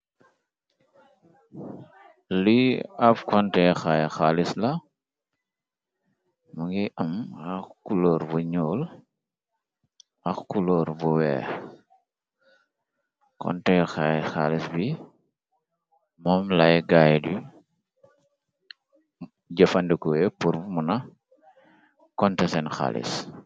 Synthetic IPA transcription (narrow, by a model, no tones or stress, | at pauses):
liɐpkɔntɛjxajxaːlislɐ | mɐŋɡiʔɐmɐxkulɔːɾbɔɲɔːl | ɐxkulɔːɾbɔwɛ̰ː | kɔ̰ntɛjxajxa̰lisbi | mɔːmlɐjɡaːjdi | ɟɐfɐndikɔwɛpuɾmunɐ | kɔntɛsɛnxa̰lḭs